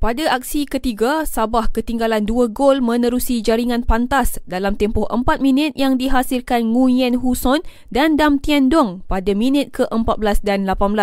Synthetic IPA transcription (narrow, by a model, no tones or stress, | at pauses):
padaʔak̚sikət̪iɡasabahkət̪iŋɡalanduaɡolmə̃nəɾusid͡ʒaɾiŋãnpant̪asdalamt̪ɛmpɔhʔə̰mpat̪̚mĩnət̪̚jaŋdiɦasirkanŋujɛnɦusɔn | dandamt̪iɛndɔŋpadamĩnət̪̚kəʔəmpat̪̚blasdanlapanbəlas